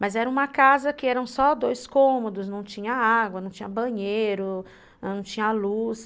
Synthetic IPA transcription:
mɐzɛɾɐũmɐkazɐkɪɛɾɐ̃w̃sɔd̪ojskõmod̪ʊsnɐ̃w̃t͡ʃĩɲɐaɡwɐnɐ̃w̃t͡ʃĩɲɐbɐ̃ɲejɾʊ | ɐ̃w̃t͡ʃĩɲɐalus

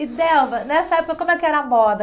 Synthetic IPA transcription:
ɪd̪ɛwvɐnɛsɐɛpokɐkõmʊɛkɪɛɾɐmɔd̪ɐ

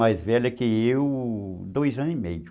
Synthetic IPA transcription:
ajzvɛʎɐkɪewd̪ojzɐ̃imejʊ

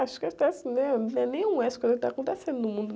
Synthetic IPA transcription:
aʃʊ̥kɪakõt̪ɛsnɛ̃ɛnẽj̃ũɛsʊkõzkɪt̪akõt̪esẽnd̪ʊnʊmũnd̪ʊ

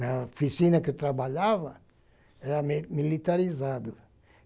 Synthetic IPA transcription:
nɐfisinɐket̪ɾabaʎavɐ | ɛɾɐmilit̪aɾizad̪u

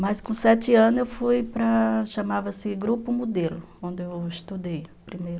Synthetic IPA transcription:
majskõsɛt͡ʃɪɐ̃nʊewfujpɾɐʃɐmavɐsɪɡɾupʊmud̪elʊ | õnd̪ɪewist̪ud̪ejpɾimejɾʊ

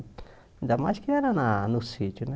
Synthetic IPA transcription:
nd̪amat͡ʃkinanananusit͡ʃunɛ

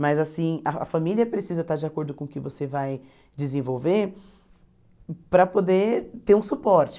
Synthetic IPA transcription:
mɐzasĩɐɐ̰familiɐpɾesizɐt̪aɾd͡ʒɪakoɾd̪ʊkõkɪvosevaj | d͡ʒɪzẽvowveɾ | pɾɐpod̪et̪eɾũsupɔɾt͡ʃɪ̥

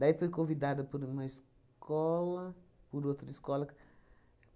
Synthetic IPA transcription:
d̪aifojkõvid̪ad̪ɐpoɾũmɐis | kɔlɐpuɾot̪ɾɐiskɔlɐk

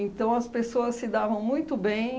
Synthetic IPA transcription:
ẽnt̪ɐ̃w̃ɐspesoɐsːɪd̪avɐ̃w̃mũj̃t̪ʊbẽj̃

